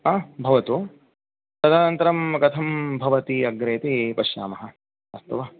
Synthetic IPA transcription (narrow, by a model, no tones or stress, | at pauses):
aːbʱɐʋɐt̪u | sɐd̪aːnɐnt̪ɐɾɐmkɐt̪ʰɐmbʱɐʋɐt̪iɐɡɾeːt̪ipɐʃja̰ːmɐɦɐ̆ | ɐst̪ɐʋɐ